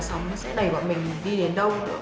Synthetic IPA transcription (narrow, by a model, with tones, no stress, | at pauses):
sa˨˦wŋ͡msɛ̰˧˥ɗə˨˩jɓɔ̰ː˧˨mï˨˩ŋ̟˨ɗi˧ɗe˨˦nɗə˧w